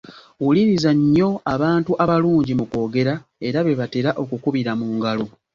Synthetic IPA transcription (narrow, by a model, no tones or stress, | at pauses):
wulinizaɲːo̞aβaːntuʔaβaluːɲɟimuko̞ːɡe̞ɾae̞ɾaβe̞βate̞ɾaʔo̞kukuβiɾamuːŋɡalo